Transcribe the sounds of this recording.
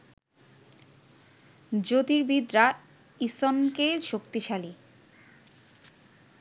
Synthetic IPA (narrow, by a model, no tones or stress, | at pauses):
d͡ʑot̪iɾbid̪ɾa | isɔnkeʃokt̪iʃali